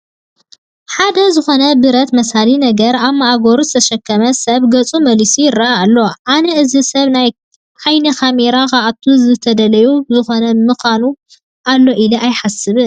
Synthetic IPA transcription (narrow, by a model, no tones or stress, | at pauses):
ħad̪ɐzɨxo̞nɐbɨɾɐt̪mɐsalinɐɡɐɾaβmaʔaɡo̞ɾuzɨt̪ʰɐʃɐkːɐmɐsɐβɡɐt͡sʼumɐlisijɪɾːaːlːo̞ʔanɐʔɨzisɐβnaj | ʔajnikʰameɾakaʔat̪ʰuzɨt̪ʰɐd̪ɐlɐjuzɨxo̞nɐmɨxanu | ʔalːo̞ʔiliʔajħasɨβɨ